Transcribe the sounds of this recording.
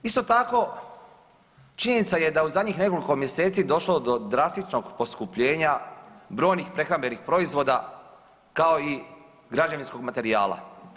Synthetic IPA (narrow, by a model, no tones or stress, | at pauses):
ist̪o̞t̪ako̞ | t͡ʃiɲenit̪saje̞d̪auzad̪ɲixne̞ko̞liko̞mjese̞ːt̪sid̪o̞ʃlod̪o̞d̪ɾast̪it͡ʃno̞ɡpo̞skupʎe̞ːɲabɾo̞ːjnixpɾe̞xɾambe̞nixpɾo̞izʋo̞d̪a | kao̞i | ɡɾad͡ʑaʋinsko̞ɡmat̪e̞ɾia̰ːla̰